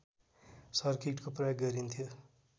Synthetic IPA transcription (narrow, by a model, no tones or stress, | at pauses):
sʌɾkiʈkopɾʌjoɡɡʌɾint̪ʰijo